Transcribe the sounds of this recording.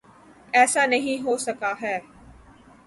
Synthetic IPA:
ɛːsanɐɦĩɦoːsɐkaɦɛː

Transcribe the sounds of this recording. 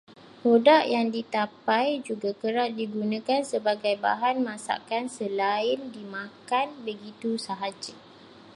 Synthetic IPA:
hodaʔjaŋdit̪apajd͡ʒuɡakəɾaʔdiɡunãkansəbaɡajba̰ɦanmãsa̰kansəlaɪndimãkanbəɡit̪usaɦad͡ʒa

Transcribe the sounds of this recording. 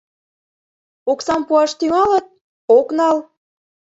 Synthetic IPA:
oksɑmpuɑʃt̪yŋɑlət̪̚ | oknɑl

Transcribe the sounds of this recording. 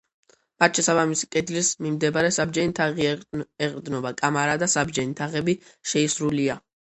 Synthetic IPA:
mat̪ʃɛsabamisi̥kʼɛd̪lismimd̪ɛbaɾɛsabd͡ʒɛnit̪ʰaʁiɛqʼɾd̪nɔbakʼamaɾad̪asabd͡ʒɛnit̪ʰaʁɛbiʃɛisɾulia

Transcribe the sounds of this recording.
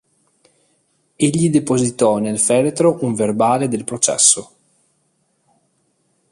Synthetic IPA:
eʎːid̪epozit̪ɔnelfɛːɾet̪ɾoʔuɱverbaːled̪elpɾot͡ʃɛ̰sːo

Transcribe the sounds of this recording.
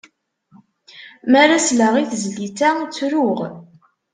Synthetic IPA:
mæɾaslæʁiθzlitæt͡sːɾʊʁ

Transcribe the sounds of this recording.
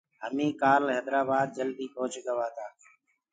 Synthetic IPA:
ɦəmĩːkaːlɦɛːd̪ɾaːbaːd̪̚d͡ʒəld̪iːpoːt͡ʃɡəʋaːt̪ʰaː

